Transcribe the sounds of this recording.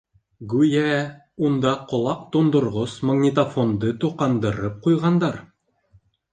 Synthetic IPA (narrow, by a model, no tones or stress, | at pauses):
ɡʉjæ | und̪ɑqŏlˠɑq̚t̪ond̪ŏɾʁosmaɡnʲit̪ɐfond̪ɤt̪uqɑnd̪ɤ̆ɾɤp̚qujʁɑnd̪ɑɾ